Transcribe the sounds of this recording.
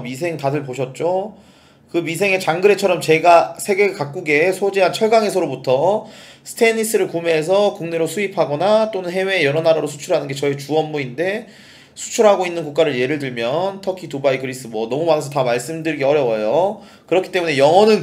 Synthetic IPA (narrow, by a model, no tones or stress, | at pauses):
misʰe̞ŋtadɯɭpoɕʰʌt̚t͡ɕ͈o | kɯmisʰe̞ŋe̞t͡ɕaŋɡɯɾe̞t͡ɕʰʌɾʌmt͡ɕe̞ɡasʰe̞ɡe̞kak͈̚uɡe̞sʰod͡ʑiɦant͡ɕʰʌɭɡaŋe̞sʰʌɾobutʰʌsʰɯ̥tʰe̞nis͈ɯɾɯɭkumeːs̬ʰʌkuŋne̞ɾosʰuipʰaɡʌnat͈onɯnɦe̞we̞jʌɾʌnaɾaɾosʰu̥t͡ɕʰuɾɦanɯnɡe̞t͡ɕʌit͡ɕuʌnmuinde̞ | sʰu̥t͡ɕʰuɾɦaɡoinːɯnkuk͈aɾɯɭje̞ɾɯɭdɯɭmjʌntʰʌkʰitobaiɡɯɾis͈ɯmwʌnʌmumanesʰʌtamaɭs͈ɯmdɯɾiɡiʌɾjʌwʌjo | kɯɾʌkʰi̥t͈e̞mune̞jʌŋʌnɯn